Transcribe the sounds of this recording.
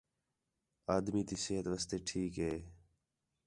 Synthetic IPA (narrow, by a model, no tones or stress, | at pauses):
aːd̪miːt̪iːseːɦət̪ʋəst̪eːʈʰiːkɦeː